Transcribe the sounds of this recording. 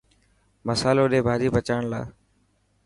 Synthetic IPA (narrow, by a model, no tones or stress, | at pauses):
məsaːloːɗeːbʱaːɾiːbət͡ʃaːɳla̰ː